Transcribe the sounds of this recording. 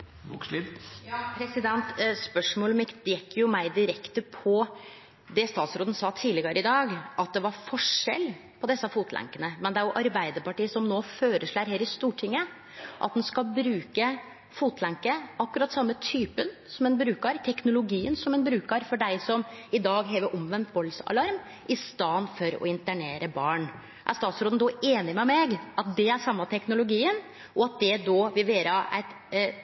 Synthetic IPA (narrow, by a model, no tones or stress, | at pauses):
bṵːklit̪jɑːpʰɾɛsɪd̪ɛnt̪spœʂmoːlmɪkt̪jɛkːjʊmæɪd̪ɪɾɛkt̪əpʰɔ | d̪ɛst̪ɑːt̪sɾoːd̪nsɑːt̪ʰiːlɪɡɑɾəɪd̪ɑːɡʔɑt̪̚d̪ɛʋɑɾfɔʂɛ̰lː | pʰɔd̪ɛsːɑfuːt̪læ̰ŋkənəmɛnd̪ɛæɾjʊʔɑɾbæɪd̪əɾpɑʈiːəsɔmnoːføːɾəʂɭæɾheːɾɪst̪uːʈʰɪŋːə | ʔɑ̰t̪̚d̪ɛnskɑlbɾʉːkə | fuːt̪ʰlæŋkəɑkːʉɾɑt̪ːsɑmːət̪ʰyːpənsɔmɛnbɾʉːkɑɾt̪ʰɛknʊlʊɡiːənsɔmɛnbɾʉːkɑɾfɔɖæɪsɔmɪd̪ɑːɡɦɛːʋəʔɔmʋɛnt̪bɔlsɑ̰lɑɾm | ʔɪst̪ɑnfɔɾɔ̰ɪnt̪æɳeːɾəbɑːɳ | ʔæ̰ɾst̪ɑːt̪sɾoːn̩d̪ɔeːnɪmɛmɛɡʔɑt̪̚d̪ɛæʂɑmːɑt̪ʰɛknʊlʊɡiːən | ʔɔɑt̪̚d̪ɛd̪oːʋɪlʋeːɾɑʔæ̰ɪt̪